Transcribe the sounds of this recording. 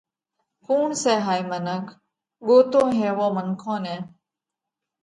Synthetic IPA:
kuːɳseːɦaːimənək | ɠoːt̪õːɦeːʋõːməŋkʰõːnẽː

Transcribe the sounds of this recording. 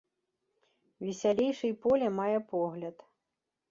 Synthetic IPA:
vʲisʲalʲejʂɨjpɔlʲɛmajɛpɔɣlʲɐt̪

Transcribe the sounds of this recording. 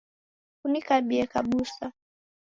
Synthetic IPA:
kunikaɓiɛkaɓusa

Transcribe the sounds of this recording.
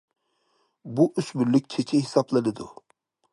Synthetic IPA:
buʔysmylyk̚ʲt͡ʃʰet͡ʃʰiɦɪsɑblˠɨnɪd̪u

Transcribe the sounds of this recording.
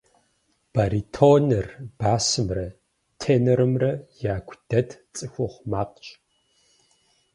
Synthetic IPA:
b̥aɾitʰoːnɨrb̥aːsɨmrɐ | tʰeːnɐɾɨmrɐjaːɡʷʰʼd̥ɐdʰt͡sʼɨxʷɔχʷmaːqt͡ʃʼ

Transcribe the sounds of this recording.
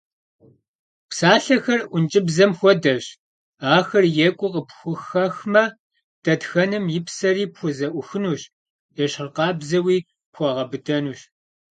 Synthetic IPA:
psaːɬɐxɐrʔʷʊnt͡ʃʼɪbzɐmxʷɔdɐɕ | aːxɐrjɛkʷʼʊqəpxʷʊxɐxmɐ | d̥ɐtxɐnɨmjɪpsɐɾiːpxʷʊzɐʔʷʊxɨnuːɕ | jɛɕɪrqɑːbzɐwiː | pxʷɔʁɐbɨdɐnuːɕ

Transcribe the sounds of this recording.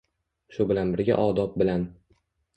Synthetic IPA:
ʃʊbɪlanbɪɾɡʲa̰ʔɒd̪ɒp̚bɪlan

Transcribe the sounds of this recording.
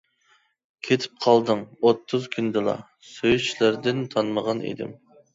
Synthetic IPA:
kʲʰet̪ʰɪ̥p̚qʰɑlˠd̪ɨŋot̪ʰːʊzkʲʰynd̪ɨlˠɑ̰ | søjyt͡ʃʰlæɾd̪ɪnt̪ʰɑnməʁɑnḛd̪ɪ̰m

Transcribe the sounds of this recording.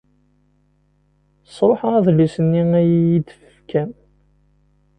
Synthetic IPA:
sˤɾˤoħəæðlːisənːiæjjid̪əfəfkʰæn

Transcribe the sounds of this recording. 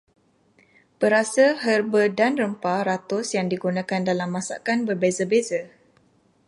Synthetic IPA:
b̥əɾasaɦərbədanrəmpaɾat̪ʊsjaŋdiɡunãkandalamːãsa̰kanbərbezəbeza

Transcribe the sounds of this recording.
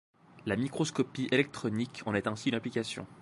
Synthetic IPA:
lamikχɔskɔpiʔelɛk̚t̪χɔnikʰɑ̃nɛt̪ɛ̃siynaplikasjɔ̰̃

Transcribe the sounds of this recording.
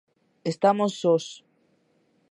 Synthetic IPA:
est̪amosːos

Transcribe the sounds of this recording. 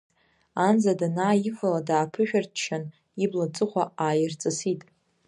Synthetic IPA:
and͡zadanaːjifʷaladaːpʰɨʃᶣartʰt͡ʃʰan | iblat͡sʼɨχʷaaːjɪrt͡sʼɨsitʼ

